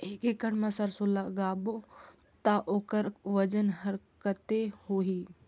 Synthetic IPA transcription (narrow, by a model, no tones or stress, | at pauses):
ɪkekəɽmãsɐɾsolaɡaːbo | t̪aʔoːkəɾʋɐd͡ʒənɦɐɾkət̪ehoːɦiː